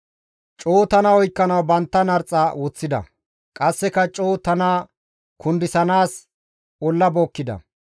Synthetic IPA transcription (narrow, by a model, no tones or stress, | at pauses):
t͡ʃʼoːt̪ɐnɐɔjkːɐnɐwbɐnt̪ːɐnɐɾt͡sʼːɐwɔt͡sːɪd̪ɐ̰ | kʼɐsːɛkɐt͡ʃʼo̞ːt̪ɐnaː | kʰʊnd̪ɪsɐnaːs | ɔlːɐboːkːɪd̪ɐ̰